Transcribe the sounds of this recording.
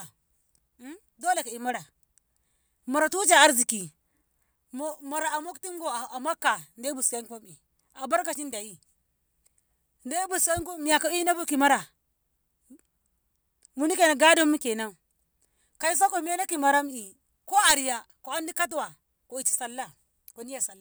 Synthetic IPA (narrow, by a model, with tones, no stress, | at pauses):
do˦le˨ka˨i˨ma˦ɾa˨ | ma˨ɾa˨tu˦t͡ʃa˦˨a˦ɾzi˨ki˨˦ | ma˨ɾa˨a˨mo˦kti˦ŋɡo˨a˨ma˦kːa˨nde˦bu˨sa˦ŋ˦pa˦mi˨ | a˨ba˦ɾka˨t͡ʃi˦nda˨i˦ | nde˦bu˨sa˦ŋko˦mi˨ja˨ka˨i˦na˦bu˦ki˨ma˦ɾa˨ | mu˨ni˦ke˨na˨ɡa˦do˦mːu˦ke˨na˦˨ | ka˨i˦s̬a˦ko˨m˦e˦na˦ki˨ma˨ɾa˦m˦i˨ | ko˦a˨ɾi˨ja˨ | ko˨a˦ndi˦ka˦t̬wa˨ | ko˨i˨t͡ʃi̥˨sa˨lːa˦ | ko˨ni˦ja˨sa˨lːa˦